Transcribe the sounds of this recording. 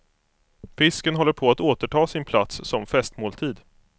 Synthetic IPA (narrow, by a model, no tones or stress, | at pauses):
fɪskənɦɔlːəɾpʰɔat̪oːt̪əʈʰɑːsɪnpʰlat̪sːɔmfɛst̪moːlt̪ʰiːd̪